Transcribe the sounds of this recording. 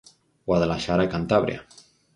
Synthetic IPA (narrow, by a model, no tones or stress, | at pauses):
waðelaʃaɾakant̪aβɾḭa̰